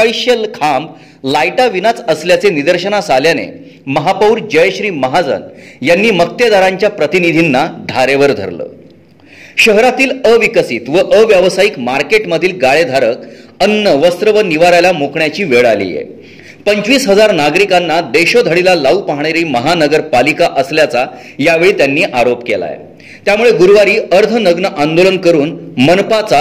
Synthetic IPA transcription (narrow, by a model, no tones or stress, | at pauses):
iɕelkʰamb | lajʈaʋinat͡səsljat͡senid̪əɾɕənasaljanḛ | məɦapəuɾd͡ʑəjɕɾiːməɦad͡zə̰njanːiːmək̚t̪ed̪aɾaɲt͡ɕjapɾət̪inid̪ʱinːad̪ʱaɾeʋəɾd̪ʱə̰ɾlə̰ː | ɕəɦɾat̪iːləʋikəsit̪ʋəʔəʋjaʋsajikmaɾkeʈməd̪ʱiːlɡaɭed̪ʱaɾəkənːəʋəst̪ɾəʋəniʋaɾajlamokɳjat͡ɕiːʋeɭalḭjḛ | pəɲt͡ɕʋiːsɦəd͡zaɾnaɡɾikanːad̪eɕod̪ʱəɽilalaupaɦɳ̃eɾiːməɦanəɡəɾpalikaʔəsljat͡sa | jaʋeɭiːt̪janːiːʔaɾopkḛla̰j̰ | t̪jamuɭeɡuɾʋaɾiːəɾd̪ʱʰənəɡnəʔand̪olənkəɾuːnmənpat͡sa